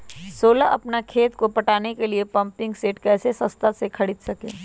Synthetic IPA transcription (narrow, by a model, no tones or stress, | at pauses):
soːlaʔɐpnakʰeːt̪kopɐʈaːnekeliepɐ̃mpɪ̃ŋɡseːʈkɛːsesɐst̪ʰasekʰɐɽɪt̪sɐkḛː